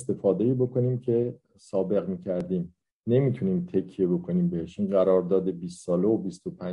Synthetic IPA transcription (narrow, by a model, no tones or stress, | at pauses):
st̪e̞fɒːd̪e̞iːbo̞kʰo̞niːmcʰe̞ | sɒːbe̞ɣmiːcʰæɾd̪iːm | ne̞miːt̪ʰuniːmt̪ʰe̞cʰːijebo̞kʰo̞niːmbe̞heʃʔiːnɢæɾɒːɾd̪ɒːd̪e̞biːst̪sɒːleobist̪o̞pʰæ